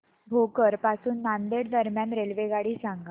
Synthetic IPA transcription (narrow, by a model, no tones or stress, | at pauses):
bʱokəɾpasuːnːand̪eɽd̪əɾmjanɾelʋeɡaɽiːsãŋɡa